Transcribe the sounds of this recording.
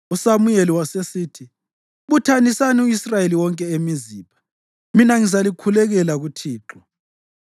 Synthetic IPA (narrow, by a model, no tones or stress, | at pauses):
usamujeliwasesiːtʰi | βutʰanisaniuisrajeliwɔŋkʼɛemiziːpa | minaŋizalikʰulɛɣɛlaɣutʰiːǁɔ